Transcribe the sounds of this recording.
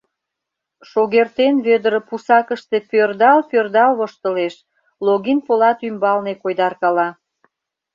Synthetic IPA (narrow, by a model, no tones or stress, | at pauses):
ʃoɣert̪enβød̪əɾə̆pusɑkəʃt̪epørd̪ɑlpørd̪ɑlβoʃt̪əleʃ | loɣinpolɑt̪ymbɑlnekojd̪ɑrkɑlɑ